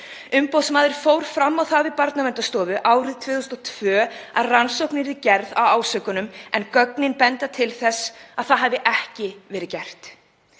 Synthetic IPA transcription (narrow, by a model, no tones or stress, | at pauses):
ʏmpowsmaːðɪɾ̥fowɾ̥fɾamːawθavɪðpaɾt̪namɛnt̪ast̪ɔːvʏʔaːwɾɪðt̪ʰvɪːθusnɔt̪ʰvœːa̰ðransowknɪɾðɪcɛɾðawaːwsœkʏnʏmɛnkœknɪnpɛnt̪at̪ʰɪlθɛsaðθaðɦavɪʔɛhcɪvɛːɾɪðcɛr̥t̪